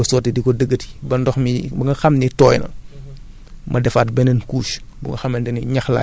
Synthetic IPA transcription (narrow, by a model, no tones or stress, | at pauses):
ɐsɔtidikɔdəɡːəti̥bɐndɔxmibɐŋɡɐxɐmnitɔːjnɐ̰ | mʔɐdɛfaːt̚bɛnənkuːʃbṵŋɡɐxɐmːɐndɛniɲɐxla̰